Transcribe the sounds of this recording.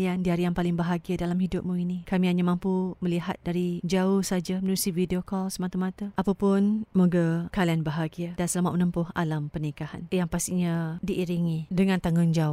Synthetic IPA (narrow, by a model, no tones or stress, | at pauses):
liandiaɾijaŋpalɪŋbəɦaɡiadalamɦidʊp̚muinikamiaɲamãmpuməliɦa̰t̪̚daɾid͡ʒaʊhsad͡ʒamənuɾusivideokɔlsəmat̪amãt̪aʔapapʊnmoɡakalianbəɦaɡiadansəlamaʔmənəmpʊha̰lampənikaha̰njaŋpast̪iɲadiʔːɾiŋidəŋãnt̪aŋʊŋd͡ʒaʊ